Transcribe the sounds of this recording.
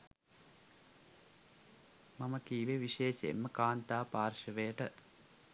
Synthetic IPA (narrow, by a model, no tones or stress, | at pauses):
maməkiːʋeʋiʃeːʃḛḛmːəkaːnt̪aːpaːrʃəʋejəʈə